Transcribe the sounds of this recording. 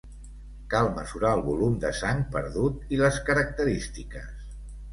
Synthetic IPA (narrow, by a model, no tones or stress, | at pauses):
kalˠməzuɾaəlˠβulumd̪əsaŋpəɾðut̪iləskəɾək̚t̪əɾist̪ikəs